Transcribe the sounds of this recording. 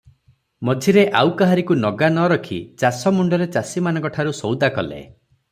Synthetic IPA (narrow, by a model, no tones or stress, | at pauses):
mɔd͡ʒʱiɾeʔawkaɦaɾikunɔɡanɔɾɔkʰḭt͡ʃasɔmuɳɖɔɾet͡ʃasimanɔkɔʈʰaɾusɔwd̪akɔlḛ